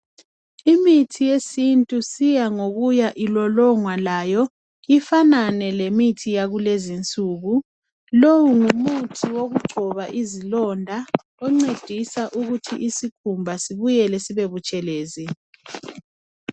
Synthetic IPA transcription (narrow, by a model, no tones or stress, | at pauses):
imitʰijesintʼusijaŋoɣujaʔilɔlɔŋwalajɔ | ifananɛlemitʰijaɣulezint͡sʼuːɣu | lowuŋumutʰiwoɣuɡ͡ǀʱɔβaʔizilɔndʱa | ɔŋ͡ǀed̥ʱisaʔuɣutʰḭʔisikʰumbʱasiβujɛlɛsiβeβut͡ʃʼɛleːzi